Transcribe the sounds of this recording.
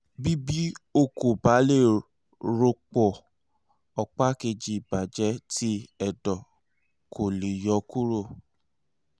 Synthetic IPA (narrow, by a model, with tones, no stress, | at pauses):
bi˦bi˦o˦˧ko˨ba˨˦le˦˨ | ɾo˧k͡pɔ˨ | ɔ˨k͡pa˦ke˧d͡ʒi˧i˨ba˨d͡ʒɛ˨˦tʰi˦ɛ˨dɔ˨ | kʰo˨le˨jɔ˨˧ku˦ɾo˦˨